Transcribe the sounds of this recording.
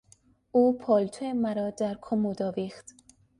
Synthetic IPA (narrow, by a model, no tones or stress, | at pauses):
uːpʰɒːlt̪ʰoemæɾɒːd̪æɾkʰomod̪ɒːvixt̪